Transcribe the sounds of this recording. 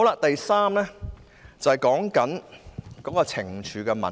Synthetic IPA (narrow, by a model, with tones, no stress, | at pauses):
o˦wla˧t̪ɐ˨jsaː˥mnɛː˥ | t͡sɐ˨hɛ˨jkɔː˨˥ŋkɐ˨˥nkɔː˨˥kɔː˧t͡sʰɪ˨˩ŋt͡ʃʰyː˨kɛː˧mɐ̰˨˩